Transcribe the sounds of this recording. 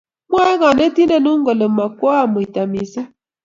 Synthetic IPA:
mʷ˦a˦e˦ɣa˨ne˦ti˦ne˨nu˦ŋ̩˦ɡo˨le˨ma˨kɔ˦a˦˨mu˨i˨ta˨mi˨si˦

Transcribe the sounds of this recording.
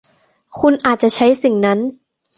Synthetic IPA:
kʰu˧nʔaː˨˩t̪̚t͡ɕa˨˩t͡ɕʰa˦˥jsi˨˩ŋna˦˥n

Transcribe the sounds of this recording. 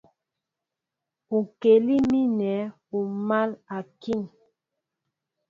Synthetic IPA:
u˨ke˨li˦mi˦nɛ˨˦ | u˨ma˦la˨ki˦˨ŋ

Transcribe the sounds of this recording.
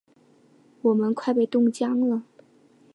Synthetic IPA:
wɔ˨˩mə˦nkʰwa˥˧ɪpe˥˩ɪt̪ʊ˥˧ŋt͡ɕjɑ˥ŋlə˨

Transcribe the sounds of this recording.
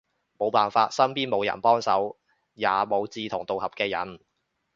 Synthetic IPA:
mo˨˧wpaː˨nfaː˧t̚sɐ˥mpiː˥nmo˨˧wjɐ̰˨˩npɔː˥ŋsɐ˨˥w | jaː˨mo˨˧wt͡siː˧t̪ʰʊ˨˩ŋt̪o˨whɐ˨p̚kɛː˧jɐ̰˨˥n

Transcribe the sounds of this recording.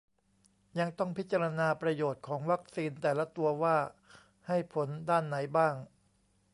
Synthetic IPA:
ja˧ŋt̪ɔ˥˩ŋpʰi˦˥t̪̚ːt͡ɕa˧ɾa˧naː˧pɾa˧joː˨˩t̪̚kʰɔː˩˦ŋwa˦˥k̚siː˧nt̪ɛː˨˩la˦˥t̪u˧ɐwaː˥˩ | ha˥˩jpʰo˩˦ndaː˥˩nːa˩˦jbaː˥˩ŋ

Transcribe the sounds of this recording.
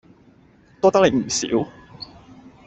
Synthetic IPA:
t̪ɔː˥t̪ɐ˥k̪̚e˨˧˩m̩˨˩sḭː˨˥w

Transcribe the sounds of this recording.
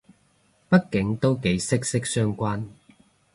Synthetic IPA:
pɐ˥t̚kɪ˨˥ŋt̪o˥wke˨˥jsɪ˥k̚sɪ˥k̚sœː˥ŋkʷaː˥n

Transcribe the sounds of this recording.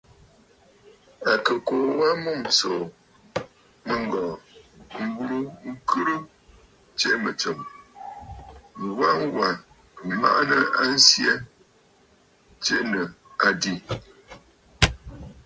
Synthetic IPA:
a˨kə˨ko˨wa˦mu˦˨mt͡so˨ | mə˦ŋ˦ɡɔ˨m̩˦bu˦lu˦ŋ̩˦kʰɨ˦ɾɨ˦ | t͡ʃe˦mə˨t͡sə˨m | ŋ˨wa˦ŋ˦wa˨ | ma̰˦ʔnə˦a˦n̩˦sjɛ˦ | t͡ʃe˦nə˨ | a˨di˦˨

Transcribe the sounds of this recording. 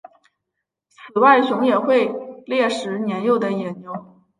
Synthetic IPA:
sɹ̩˨˩wa˥˩ɪɕjʊ˧˥ŋjɛ˨˩xwe˥˧ɪljɛ˥˩ʂɻ̩˧˥njɛ˧˥njo˥˩ʊd̪ə˩jɛ˨˩njo˧˥ʊ

